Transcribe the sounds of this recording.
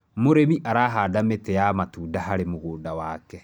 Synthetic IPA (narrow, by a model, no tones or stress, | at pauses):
moɾemiʔaɾaːɦaːdametɛjamatuːdaɦaɾemoɣoːdawaːkɛ